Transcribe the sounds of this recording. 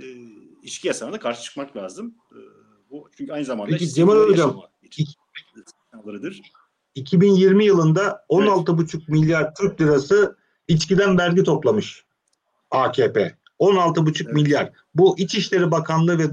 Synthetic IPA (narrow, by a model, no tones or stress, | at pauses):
it͡ʃcʰijasanad̪akʰaɾʃɯ̥t͡ʃʰɯ̥k̚maklʲaːzɯmː | but͡ʃʰyɲʲcʰajnɯzamanpʰek̬ʲid͡ʒemɯɾøɾɡam | aɾd̪ɾ | icʰibinjiɾmijɯlˠɯnd̪ao̞nalˠt̪ʰɯbut͡ʃʰuk̚milʲːjaɾt̪ʰyɾc̚ʲlʲiɾasɯ | it͡ʃcid̪ænvæɾɟʲit̪ʰo̞plˠamɯʃ | aːcʰeːpʰḛː | o̞nalˠt̪ʰɯbut͡ʃʰukmilʲːjaɾ̥ | buʔit͡ʃiʃlʲe̞ɾibakʰanlˠɯvɛ